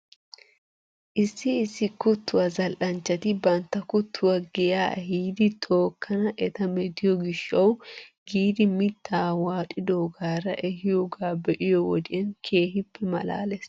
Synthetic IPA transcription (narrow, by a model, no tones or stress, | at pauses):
ʔɪsːɪːsːɪkʊt̪ːʊwɐzɐlʔɐnt͡ʃːɐt̪ɪbɐnt̪ːɐkʊt̪ʰːʊwɐɡɛjaːhiːd̪ɪt̪ʰo̞ːkʰːɐnɐʔɛt̪ɐmɛd̪ɪjɔɡɪʃːɐw | ɡiːd̪ɪmɪt̪ʰːaːwaːtʼɪd̪oːɡaːɾɐʔɛhɪjoɡaːbɛʔɪjɔwɔd̪ɪjɐnkʰe̞ːhɪpʰːɛmɐ̰la̰ːlɛs